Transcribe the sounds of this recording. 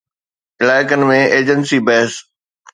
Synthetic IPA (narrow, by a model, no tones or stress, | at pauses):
ɪlaːɪkənɪ̆mẽʔeːd͡ʑənsibɛɦs